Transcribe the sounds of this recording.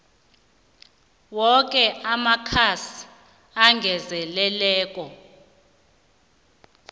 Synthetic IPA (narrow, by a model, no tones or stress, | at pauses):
wɔk̬ʼɛamakʰasi̥ | aŋɡʱɛzɛlɛlɛːk̬ʼɔ